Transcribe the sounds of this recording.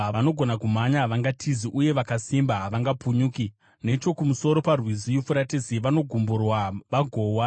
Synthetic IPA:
aʋano̞ɡʱo̞nakumaɲaʋaŋɡatʰiziʔuje̞ʋakasimbaɦaʋaŋɡapuɲuːki | ne̞t͡ʃo̞kumuso̞ɾo̞parwizijufuɾatiziʋano̞ɡʱumburwaʋaɡʱo̞ːwa

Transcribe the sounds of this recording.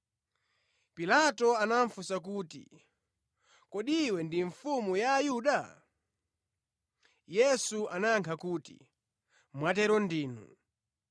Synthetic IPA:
pilatɔanaɱfusak̬uːtḭ | kɔɗiwɛndiɱfumujaːjuːɗa | jɛsuanaŋkʰakuːtḭ | mwatɛɾɔndiːnṵ

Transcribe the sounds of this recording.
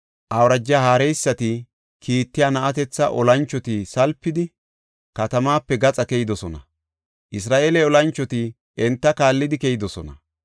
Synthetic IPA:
ʔɐwɾɐd͡ʒːahaːɾɛjsːɐt̪ɪ | kʰiːt̪ːɪjaːnɐʔɐt̪ɛt͡sːɐ̰ʔɔlɐnt͡ʃːɔt̪ɪsɐlpːɪd̪ɪ | kɐt̪ɐmaːpːɛɡɐt͡sʼɐkɛjɪd̪ɔsɔnɐ̰ | ʔɪs̬ɾaːʔeːlɛɔlɐnt͡ʃːɔt̪ɪ | ɛnt̪ːɐkaːlːɪd̪ɪkɛjɪd̪ɔsɔnɐ

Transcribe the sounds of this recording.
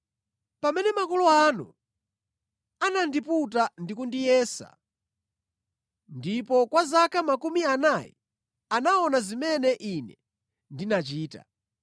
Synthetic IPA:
pamɛnɛmakɔlɔanṵ | anandiput̬andikundijɛːsa̰ | ndipɔkwazakamakumianajḭ | anaɔnazimɛnɛʔinɛ̰ | ndinat͡ʃiːta̰

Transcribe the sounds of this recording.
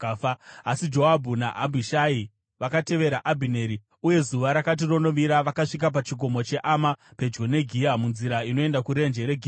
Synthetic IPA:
asid͡ʒo̞abʱuna̰ʔabʱiʃai | ʋakate̞ʋe̞ɾaʔabʱine̞ɾi | uje̞zuʋaɾakat̬iro̞no̞ʋiɾaʋakaʂik̬ap̬at͡ʃiɡʱo̞mo̞t͡ʃeʔamape̞d͡ʒɡo̞ne̞ɡʱiamunziɾaino̞e̞ndakuɾe̞nd͡ʒe̞ɾe̞ɡʱiː

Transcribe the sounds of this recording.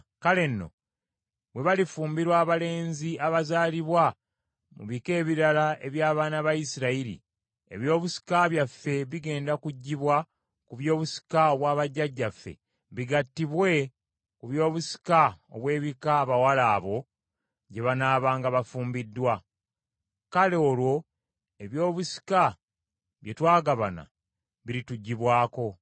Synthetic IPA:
kale̞nːo̞̰ | βwe̞βalifuːmbiɾwaːβale̞ːɲziaβazaːliβwa | mṵβike̞ːβiɾalae̞βjaːβaːnaβajisiɾailḭ | e̞̰βjo̞ːβusi̥kaβjafːe̞βiɡe̞ːndakuɟːiβwa | kuβjo̞ːβusi̥kaoβwaːβaɟːaɟːafːḛ | βiɡatːiβwe̞ | kuβjo̞ːβusi̥kao̰βwe̞ːβikaːβawalaːβo̞ | ɟe̞βanaːβaːŋɡaβafuːmbidːwa | kaleoːlwo̞ | e̞βjo̞ːβusi̥ka | βje̞twaːɡaβa̰na̰ | βiɾituɟːiβwaːko̞

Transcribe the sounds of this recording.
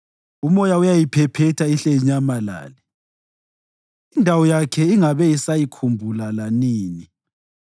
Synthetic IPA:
umɔjaujajipʰɛpʰɛtʰaiɬɛiɲamala̰ːli | indʱawɔjakʰɛiŋaβɛisajikʰumbʱulalaniːni

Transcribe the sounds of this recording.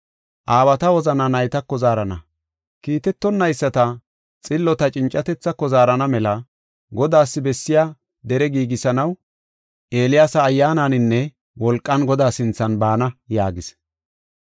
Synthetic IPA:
ʔaːbɐt̪ɐwɔzɐnɐnɐjt̪ɐkːɔzaːɾɐnɐ | kiːt̪ɛt̪ːɔnːɐjsːɐt̪ɐ | t͡sʼɪlːɔt̪ɐt͡ʃʼɪnt͡ʃʼːɐt̪ɛt͡sːɐkːɔzaːɾɐnɐmɛlɐ | ɡɔd̪aːsːɪbɛsːɪjaː | d̪ɛɾɛɡiːɡɪsɐnɐw | ʔe̞ːlɪjaːsɐːjːaːnanɪnːɛ | wɔlkʼːɐnɡɔd̪aːsɪnt͡sːɐnbaːnɐjaːɡɪs

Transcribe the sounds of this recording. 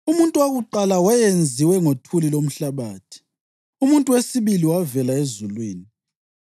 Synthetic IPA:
umuntʼuwaɣuǃalawajend͡zʱiwɛŋotʰulilom̩ɬaβaːtʰi̥ | umuntʼuwesiβiliwavɛlaezulwiːni

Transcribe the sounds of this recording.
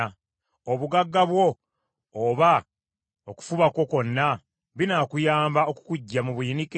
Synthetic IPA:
a | oβuɡaɡːaβwo̞ː | βa | oku̥fuβako̞ko̞nːa | βinaːkujaːmbaoku̥kuɟːamuβuinike

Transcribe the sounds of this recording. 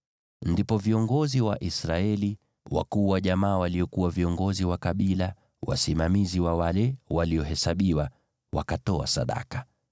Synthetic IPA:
ndipɔviɔŋɡɔziwaʔisɾaɛli | wa̰kuːwaʄamaːwaliɔkuwaviɔŋɡɔziwakaɓila | wa̰simamiziwawalɛwaliɔɦɛsaɓiwa | wa̰katɔa̰sa̰ɗa̰kḁ

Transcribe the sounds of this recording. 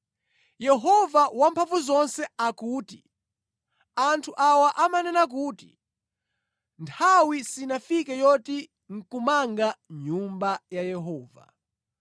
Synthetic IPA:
jɛɦɔvawampʰaɱvuzɔnsɛakuːti | antʰuʔawaʔamanɛnak̬uːti | ntʰawisinafikɛjɔti | ŋ̩kumaŋɡaɲumbajajɛɦɔːva̰

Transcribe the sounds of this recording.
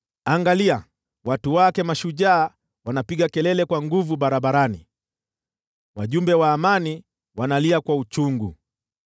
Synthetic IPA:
aŋɡalia | watuwakɛmaʃuʄaː | wanapiɡakɛlɛlɛkwaŋɡuvuɓaɾaɓaɾanḭ | waʄumbɛwaːmani | wanaliakwaut͡ʃuŋɡu

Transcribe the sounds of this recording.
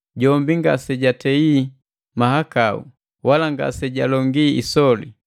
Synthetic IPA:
ɟɔmbiŋɡa̰sɛɟatɛi | mahakaṵ | walaŋɡa̰sɛɟalɔŋɡiḭsɔlḭ

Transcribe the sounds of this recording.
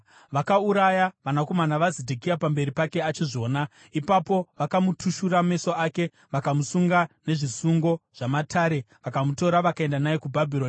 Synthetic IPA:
ʋakauɾajaʋanako̞manaʋazedʱekijapambe̞ɾipake̞at͡ʃiʐo̞ːna | ipapo̞ʋakamutʰuʃurame̞so̞aːke̞ | ʋakamusuŋɡane̞ʐisuŋɡo̞ʐ̥amataɾe̞ | ʋakamuto̞ɾaʋakae̞ndanajekubʱabʱiroːni

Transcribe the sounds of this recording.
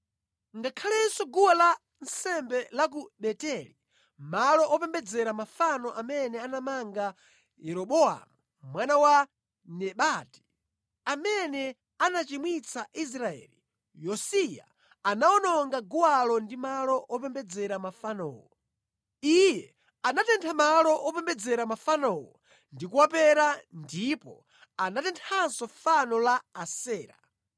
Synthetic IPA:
ŋɡakʰalɛnsɔɡuwala | nsɛmbɛlak̬uɓɛtɛli | malɔʔɔpɛmbɛd͡zɛɾamafanɔʔamɛnɛanamaŋɡa | jɛɾɔɓɔa̰mu | mwanawa | nɛɓati̥ | amɛnɛ | anat͡ʃimwit͡saʔis̬ɾaɛ̰ːli | jɔsija̰ | anaɔnɔŋɡaɡuwalɔndimalɔʔɔp̬ɛmbɛd͡zɛɾamafanɔ̰ːwɔ | ijɛ | anatɛntʰamalɔʔɔpɛmbɛd͡zɛɾamafanɔwɔ̰ | ndikuwapɛɾandipɔ | anatɛntʰansɔfanɔlaːsɛːɾa̰

